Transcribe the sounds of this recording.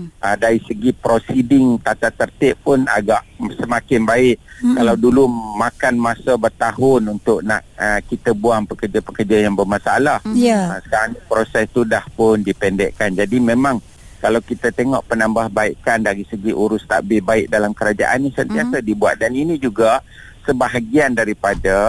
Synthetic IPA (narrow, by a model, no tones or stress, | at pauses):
ədaɾisəɡipɾosidɪŋt̪at̪at̪ərt̪ɪʔpʊna̰ɡaʔsəmakɪnbaɪʔkalawdulumakanmasəbərt̪aɦʊnunt̪ʊʔ̚naʔəkit̪əbuaŋpəkərd͡ʒapəkərd͡ʒajaŋbəmasaalahjaasə̥kaɾaŋpɾosɛst̪udahpʊndipɛndɛʔkand͡ʒadimẽmãŋ | kalawkit̪at̪eŋɔʔpənambahbaɪkandaɾisəɡiʔuɾʊst̪a̰ʔbɪbaɪʔ̚dalamkəɾad͡ʒa̰ʔanːisənt̪iasadibua̰t̪̚daninĩd͡ʒuɡa | səbaɦaɡiandaɾipada